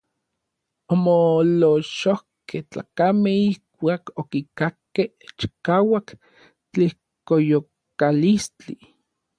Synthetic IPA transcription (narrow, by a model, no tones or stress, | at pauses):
omoloʃohkeht͡ɬa̰ːkamehihkʷaːkokikakːeht͡ʃi̥kaːwak | t͡ɬih | kojo | kalist͡ɬi